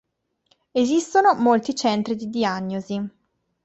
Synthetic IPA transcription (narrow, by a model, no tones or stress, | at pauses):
ezist̪onomolt̪it͡ʃɛnt̪ɾid̪id̪iaɲːozi